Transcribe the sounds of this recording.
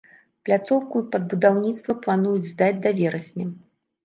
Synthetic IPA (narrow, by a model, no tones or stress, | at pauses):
plʲat̪sɔwkupɐd̪̚bud̪awnʲit̪st̪vɐplˠanujud͡zʲzd̪ad͡zʲd̪avʲɛɾɐsʲnʲɛ